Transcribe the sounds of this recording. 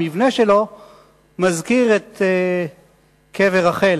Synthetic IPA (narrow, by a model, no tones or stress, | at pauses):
ivne̞ʃelo̞ | mazkiʁete | kʰeveʁaχel